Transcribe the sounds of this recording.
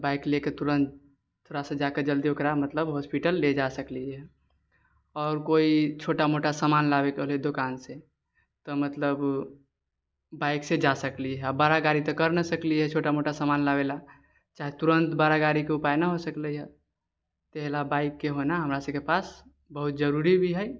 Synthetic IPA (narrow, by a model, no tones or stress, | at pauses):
baɪkleket̪uɾə̃nt̪ | t̪ʰːoɾasə̃d͡ʒakəd͡ʒəld̪iokɾamət̪ləbɦɔspiʈəlːed͡ʒasəkliɦɛ | ɔːɾkoit͡ʃʰoʈamoʈasəmanlabekəɦld̪okanse | t̪ɔmət̪ləb | baɪksed͡ʒasəkliɦɛbaɾaɡaɾit̪ɔkəɾnəsəkliɦɛt͡ʃʰoʈamoʈasamanlabela | t͡ʃaɦet̪uɾənt̪baɾaɡaɾikeupajnaɦosəkləɦɛ | t̪eɦlabaɪkːeɦonaɦəmɾasəbkepas | bəɦut̪̚d͡ʒəɾuɾibʱiɦɛ